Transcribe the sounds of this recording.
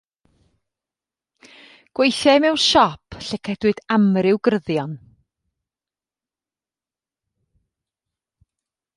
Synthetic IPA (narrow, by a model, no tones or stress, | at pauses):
ɡ̥wejθɛmɛwnʃɔpʰɬɛkʰɛd̥wɨd̥amrɪwɡrəðjɔn